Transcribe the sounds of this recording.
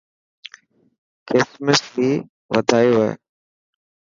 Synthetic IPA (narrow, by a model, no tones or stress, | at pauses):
kʰɪsməsiː | ʋəd̪ʱaːjoɦḛː